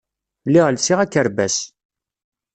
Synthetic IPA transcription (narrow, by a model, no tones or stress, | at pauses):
liʁəlsiʁækːəɾbæs